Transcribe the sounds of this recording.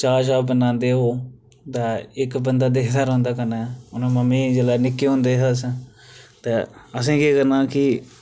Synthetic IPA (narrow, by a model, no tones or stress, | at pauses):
t͡ʃaːʃaːbənãːnd̪eːɦoː | d̪aːɪkbənd̪aːd̪eːkd̪aːɾɔ̃ːnd̪aːkənaːʊnõːməmĩːd͡ʒeːlaːnɪkːeːɦʊ̃nd̪eːɦəs | t̪eːəs̬ẽːkeːkəɾnãːkɪ